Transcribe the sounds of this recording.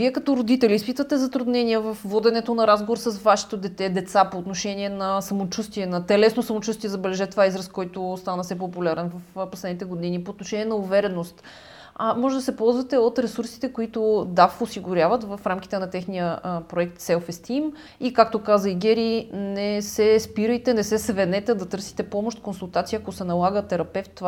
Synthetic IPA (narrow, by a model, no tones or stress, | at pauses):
viɛkɐt̪ɔɾod̪it̪ɛlʲiispit̪vət̪ɛzɐt̪ɾʊd̪nɛniəvɐfvɔd̪ɛnɛt̪onɐɾazɡovoɾsɐsvaʃɛ̥t̪od̪ɛt̪ɛd̪ɛt̪sapoːt̪noʃɛniɛnɐsɐmot͡ʃust̪iɛnɐt̪ɛlɛsnosɐmot͡ʃust̪iɛzɐbɛlɛʒɛt̪ovaizɾɐskɔjt̪ost̪anɐsɛp̬opʊlʲaɾɛnvɐfposlɛd̪nit̪ɛɡod̪inipoːt̪noʃɛnʲiɛnɐʊvɛɾɛnost̪ | amɔʒɛd̪ɐsɛpɔlˠzvɐt̪ɛot̪ɾɛsuɾsi̥t̪ɛkoit̪ʊd̪afosiɡʊɾʲjavət̪vɐfɾamk̟it̪ɛnɐt̪ɛxnijəpɾoɛk̚t̪sɛlfɛst̪im | ikak̚t̪okazəiɡɛɾinɛsɛspiɾəjt̪ɛnɛsɛsvɛnɛt̪ɛd̪ɐt̪ɤɾsi̥t̪ɛpɔmoʃt̪konsulˠt̪at̪sijəɐkosɛnɐlˠaɡət̪ɛɾɐpɛft̪ː